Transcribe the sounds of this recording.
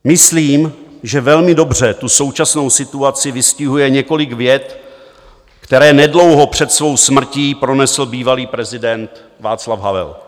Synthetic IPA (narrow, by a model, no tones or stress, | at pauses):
mɪsliːmʒɛvɛlmɪdo̞br̝ɛt̪uso̞wt͡ʃasno̞wsɪt̪uat͡sɪvɪscɪɦujɛɲɛko̞lɪɡvjɛt̪ | kt̪ɛɾɛːnɛdlo̞wɦo̞pr̝̥ɛt̪svo̞wsmr̩ciːpɾo̞nɛsl̩biːvaliːpɾɛzɪdɛnt̪ | vaːt͡slavɦavɛ̰l